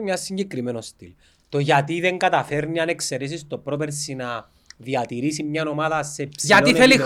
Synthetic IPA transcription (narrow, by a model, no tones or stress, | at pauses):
mɲɐsːiɲɟekɾimenost̪ḭl | t̪o̞ʝɐt̪iðe̞ŋɡɐt̪ɐfe̞ɾniɐnekse̞ɾes̬ist̪opɾop̬eɾsinɐ | ðiɐt̪iɾisimɲɐno̞maðɐsepsiʝɐtoiθeli